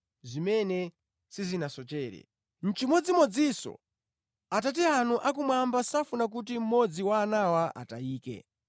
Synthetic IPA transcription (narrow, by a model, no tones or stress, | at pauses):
zimɛnɛ | sizinasɔt͡ʃɛːɾɛ̰ | n̩t͡ʃimɔd͡zimɔd͡zisɔ̰ | atat̬ɛanuʔak̬umwambasafunak̬ut̬im̩mɔd͡ziwaːnawaʔa̰taiːkɛ̰